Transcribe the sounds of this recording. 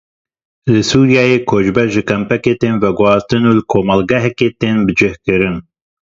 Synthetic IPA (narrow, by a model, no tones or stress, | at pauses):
lɨsuːɾjɑːjeːkʰoːd͡ʒbɛʒɨkɛmpɛkeːt̪eːnvɛɡʊhɑːst̪ɨnuːlɨkʰoːmɑlɡɛɦɛkeːt̪eːnbɨd͡ʒɪhkɨɾɨn